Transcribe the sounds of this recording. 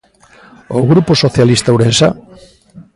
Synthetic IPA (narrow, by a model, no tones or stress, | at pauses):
oɣɾuposoθjalist̪awɾensa̰